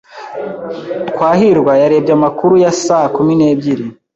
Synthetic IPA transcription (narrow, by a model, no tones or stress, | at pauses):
kwaːɦiɾɡwajaɾe̞ːbɟamakuɾujasaːhakumineːbɟiɾi